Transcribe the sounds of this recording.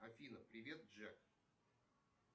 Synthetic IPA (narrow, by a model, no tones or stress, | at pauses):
ɐfʲinəpɾʲɪvʲe̞t̪̚ʐɛk